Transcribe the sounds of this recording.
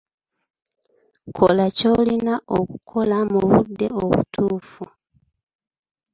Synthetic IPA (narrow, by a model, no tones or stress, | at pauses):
kʰo̞laco̞linaʔokukʰo̞lamuβṵdːe̞̰oβṵtʰuːfu